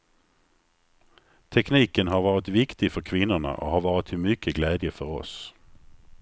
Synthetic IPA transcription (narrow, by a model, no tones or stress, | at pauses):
t̪ʰɛkniːkənɦaɾvɑːɾɪt̪vɪkt̪ɪɡfœɾkʰvɪnːʊɳa̰ʔɔ̰ɦaɾvɑːɾɪt̪ʰːɪmʏkʰːəɡlɛːd̪jəfœɾɔ̰s